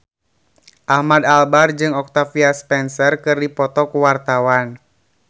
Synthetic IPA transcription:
ʔahmad̪albard͡ʒɨŋɔk̚t̪afiaspɛnsərkɨrdipɔt̪ɔkuwart̪awan

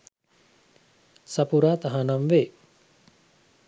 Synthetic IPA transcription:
sɐpuɾaːt̪aɦanamʋe

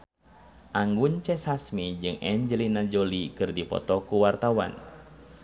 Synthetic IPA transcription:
ʔaŋɡuɲt͡ʃɛsasmid͡ʒɨŋɛɲd͡ʒəlinad͡ʒolikɨrdipɔ̰t̪ɔkuwart̪awa̰n

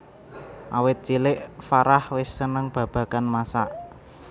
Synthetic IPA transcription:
ʔawɪt̪̚t͡ʃilɪʔfaɾahwɪsːənəŋb̥a̤b̥ä̤kanmasaʔ

